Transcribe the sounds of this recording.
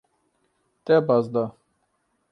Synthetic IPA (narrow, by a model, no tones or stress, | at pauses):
t̪ɛbazd̪a